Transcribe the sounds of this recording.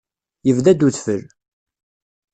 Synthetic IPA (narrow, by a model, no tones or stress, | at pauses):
jəvðæd̪uθfəl